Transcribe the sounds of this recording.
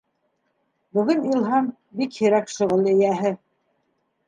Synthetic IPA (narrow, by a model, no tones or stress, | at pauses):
bɵ̆ɡɘnilˠɦɑm | bikhĭɾækʃŏʁɤlˠɘ̆jæɦɘ